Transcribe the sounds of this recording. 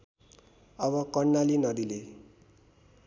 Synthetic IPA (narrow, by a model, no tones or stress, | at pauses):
ʌβʌkʌrnːalinʌd̪ile